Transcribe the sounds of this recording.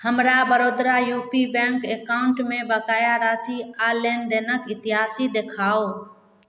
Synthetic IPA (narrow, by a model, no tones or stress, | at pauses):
həmɾabəɾoːd̪ɾajuːpibɛ̃ŋkekaʊɳʈmẽbəkaːjaɾaːsialeːnd̪eːnəkɪt̪ɪɦaːsid̪ekʰaːo